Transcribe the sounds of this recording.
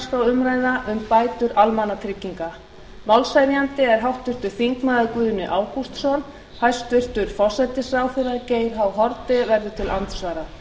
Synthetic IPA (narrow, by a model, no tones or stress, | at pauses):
skawʏmɾaːjðaʔʏmpaːjt̪ʏɾalmanat̪ʰɾɪcːiŋka | valsajɾjant̪ɪɛɾ̥ɦawht̪vʏr̥t̪ʏɾ̥θiŋknaðɪkʏːðʏnɪʔaːwkust̪sɔn | hajst̪vʏr̥t̪ʏɾ̥fɔ̥sajt̪ɪsɾaːwfɪraceːjɾ̥ɦawɦɔɾt̪ɪvɛɾðʏt̪ʰɪlʔant̪svaːɾa